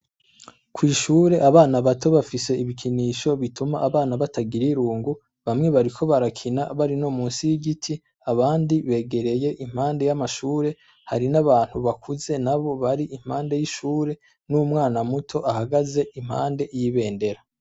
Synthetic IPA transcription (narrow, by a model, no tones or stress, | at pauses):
kwiːʃuːɾe̞ʔaβaːnaβato̞βafise̞iβikʰiniʃo̞βitumaʔːβaːnaβatʰaɡiɾiɾuːŋɡu | βamŋe̞βaɾikʰo̞βaɾakʰinaβaɾino̞muːnsijiɟitʰi | aβaːndiβe̞ːɡe̞ɾe̞je̞ʔim̥haːnde̞jamaʃuːɾe̞ | haɾinaβaːn̥huβakʰuze̞naβo̞βaɾiʔim̥haːnde̞jiʃuːɾe̞ | numŋaːnamutʰo̞ʔahaɡaze̞im̥ha̰ːnde̞ʔjiβe̞ːnde̞ɾa